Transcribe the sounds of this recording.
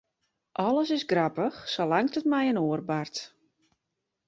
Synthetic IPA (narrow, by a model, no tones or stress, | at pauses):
ʔɔləsɪsɡrapəxsolaŋtətmɛjənoərbart